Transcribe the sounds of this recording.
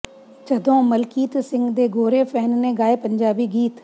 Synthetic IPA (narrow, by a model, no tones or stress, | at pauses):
t͡ʃəd̪õːməlkiːt̪sɪ̃ŋɡd̪eːɡoːɾeːpʰɛːnnẽːɡaːepəɲd͡ʒaːbiːɡiːt̪